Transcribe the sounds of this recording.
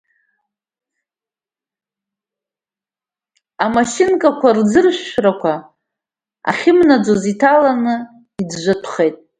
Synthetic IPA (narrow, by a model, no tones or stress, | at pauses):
amaʃinkʼakʷard͡zɨrʃʷrakʷʰa | a̰χʲɪmnad͡ʒozitʰalanɨ | id͡zʒʷatʰχe̞jtʼ